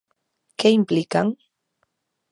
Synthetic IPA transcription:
kaɪmplɪkaŋ

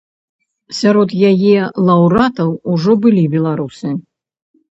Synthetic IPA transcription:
sʲaɾɔt̪jajɛlˠɐwɾat̪ɐwuʐɔbɨlʲibʲɛlˠaɾusɨ

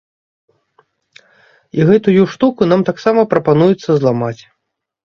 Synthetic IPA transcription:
iɣɛt̪ujuʂt̪ukun̪amt̪aksamɐpɾɐpanujut̪sːɐzlˠamat͡sʲ

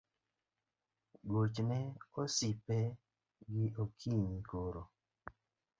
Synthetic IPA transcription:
ɡot͡ʃnɛosipɛ | ɡɪʔokʰiɲikoɾo

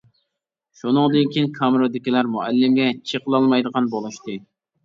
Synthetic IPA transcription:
ʃunɨŋd̪ɨnkʲijinkʰɑmɾɨd̪ɪkʲilæɾmuælːɪmɡʲɛt͡ʃʰəqəlˠɑlˠmɑjd̪əʁɑnbolˠɨʃt̪ɨ

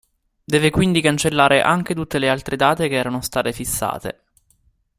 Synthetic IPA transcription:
d̪ɛːvekwind̪ikant͡ʃelːaːɾeʔaŋk̟et̪ut̪ːelealt̪ɾed̪aːt̪ek̟eɛːɾanost̪aːt̪efisːa̰ːt̪ḛ

